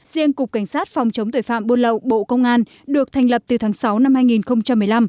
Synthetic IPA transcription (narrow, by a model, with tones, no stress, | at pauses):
zi˧ənkʊ˨˩k͡p̚ka˧˩jŋ̟saː˦˥t̚fɔ˨˩wŋ͡mt͡ɕə˨˦ŋ͡mt̪o˧˩fa̰ː˧˨mɓo˧nlə̰˧˨wɓo̰˧˨kə˧wŋ͡mʔaː˧n | ɗɨ˨˩ək̚t̪ʰa˨˩jŋ̟lə˨˩p̚t̪ɨ˨˩t̪ʰaː˨˦ŋsa˨˦wna˧mhaː˧jŋi˨˩nxə˧wŋ͡mt͡ɕa˧mːɨ˨˩əjla˧m